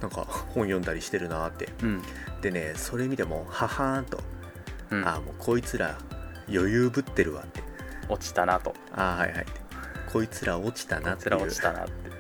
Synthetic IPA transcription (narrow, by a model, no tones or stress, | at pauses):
nãŋka̰hõ̞ɰ̃jõnd̪aɾʲiɕi̥t̪e̞ɾɯ̟nat̪ːẽ̞̰ | d̪̥e̞ne̞so̞ɾe̞mʲit̪e̞mo̞ːhahãnt̪o̞̰ | amo̞ːkʰo̞it͡sɨɾa | jo̞jɯːbɯ̟t̪ːe̞ɾɯ̟βa̰t̪ːe̞̥ot͡ɕi̥t̪anat̪o̞̰ | aːha̰iha̰it̪ːekʰo̞it͡sɨɾao̞t͡ɕi̥t̪anat̪ːɯi̥t̪ana̰t̪ːe